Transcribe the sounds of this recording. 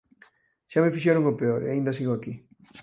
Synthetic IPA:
ʃamefiʃeɾoŋopeoɾḛaĩnd̪asiɣoaki

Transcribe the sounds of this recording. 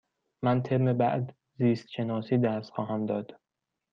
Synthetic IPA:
mænt̪ʰebmebæ̰ʔd̪ | ziːst̪ʃe̞nɒːsiːd̪æst̪xɒːɦæmd̪ɒːd̪̥

